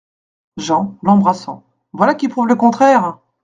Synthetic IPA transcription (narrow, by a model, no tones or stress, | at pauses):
ʒɑ̃lɑ̃bʁasɑ̃ | vwalakʲipχuvləkɔ̃t̪χɛːʁ